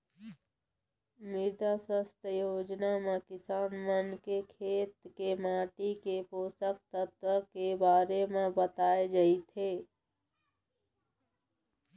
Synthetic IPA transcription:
mɪɾd̪aswəst̪ʰəjoːd͡ʒnamẽkɪsaːnmənkekʰeːt̪kemaːʈikepoːsək̚t̪ət̪wəkebaːɾemẽbət̪aːed͡ʒait̪ʰeː

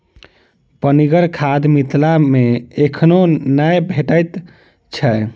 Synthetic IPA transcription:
pəniɡəɾkʰad̪mit̪ʰlameekʰnonəjbʱeʈəjt̪ | t͡ʃʰə

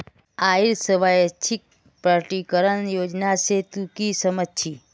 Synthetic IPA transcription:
aiɾsəʋajt͡ʃʰik̚ | pɾəʈikəɾənjoːd͡ʒnaset̪ukisəmət͡ʃʰi

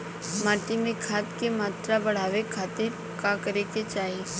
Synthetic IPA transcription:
maːʈimẽkʰaːt̪kemaːt̪ɾabɐɽ̤aːʋekʰaːt̪ɪɾ | kakəɾeket͡ʃaːie

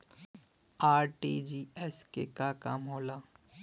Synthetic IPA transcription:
aːɾʈiːd͡ʒiːɛskḛkakaːmɦoːlaː

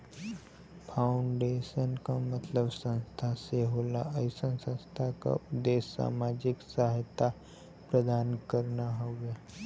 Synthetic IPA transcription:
pʰaːʊɳɖeːʃənkamɐt̪ləbsə̃nst̪ʰaseɦoːlaʔəɪsənsə̃nst̪ʰaka̰d̪eːsːa̰ːmaːd͡ʒɪksaɦt̪a | pɾəd̪aːnkəɾnaɦoːɡjaː

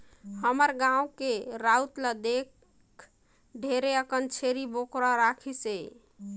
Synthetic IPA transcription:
həməɾɡãũkeɾaut̪ləd̪ek | ɖʱeɾeəkənt͡ʃʰeɾibokɾɔɾakʰise

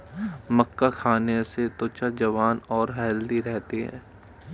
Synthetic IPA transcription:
məkːakʰaːneset̪ot͡ʃad͡ʒɐʋaːnɔːɾɦɛːld̪iɾɛɦt̪iɦɛ̰ː

